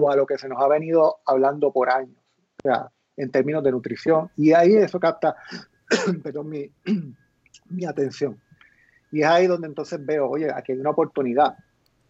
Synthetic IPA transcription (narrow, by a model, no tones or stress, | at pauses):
walo̞ke̞se̞no̞saβe̞nið̞o̞aβland̪o̞po̞ɾaɲos | sea̰ | e̞nt̪e̞ɾmĩno̞zðe̞nut̪ɾiθjo̞ŋiaie̞so̞kap̚t̪a | pe̞ɾðo̞ŋmi | miat̪e̞n̟θjo̞ŋ | ie̞saiðo̞nd̪ent̪o̞nθe̞zbe̞ooʝe̞a̰kejunaopo̞ɾt̪uniða